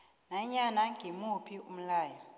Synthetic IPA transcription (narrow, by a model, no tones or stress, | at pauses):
naɲanaŋɡʱimupʰium̩laːjɔ